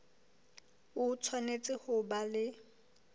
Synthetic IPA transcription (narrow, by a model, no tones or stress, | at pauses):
ʊt͡sʰwanet͡sʼɪhʊbalɪ